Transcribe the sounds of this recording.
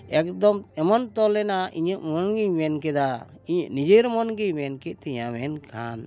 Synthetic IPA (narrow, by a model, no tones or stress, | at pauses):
ɛk̚d̪ɔmɛmɔnt̪ɔlɛnaʔiɲəʔmɔnɡiɲmɛnk̬ɛd̪a | iɲəʔnid͡ʒeɾmɔnɡiɲmɛnkɛʔ̚t̪ɛɲamɛnkʰa̰n